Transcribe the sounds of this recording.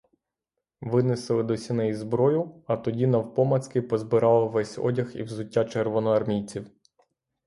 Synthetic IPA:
ʋɪnɪsɪlˠɪd̪ɔsʲinɛjizbɾɔjʊɐt̪ɔdʲinɐwpɔmɐt̪skɪpɔzbɪɾɑlˠɔʋɛsʲɔ̰dʲɐxḭwzʊtʲːat͡ʃerʋɔnɔɐrmʲijt͡sʲiw

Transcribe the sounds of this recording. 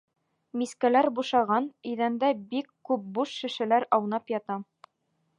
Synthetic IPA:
miskælæɾbuʃɑʁɑnɵ̆jðænd̪æbikːʉp̚buʃːɘ̆ʃɘ̆læɾɑwnɑpjɑt̪ɑ

